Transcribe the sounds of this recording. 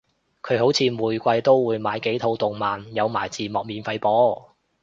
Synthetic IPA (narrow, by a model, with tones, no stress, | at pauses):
kʰɵ˨˧ɥho˨˥wt͡sʰiː˨˧muː˨˩jkʷɐ˧jt̪o˥wːuː˨˧jmaː˨˧jke˨˥jt̪ʰo˨˧wt̪ʊ˨ŋmaː˨njɐ˨˧wmaː˨˩jt͡siː˨˧mɔː˨˩k̚miː˨˧nfɐ˧jpɔː˨˥